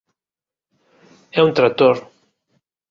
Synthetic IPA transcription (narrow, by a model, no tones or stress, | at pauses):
ɛunt̪ɾat̪oɾ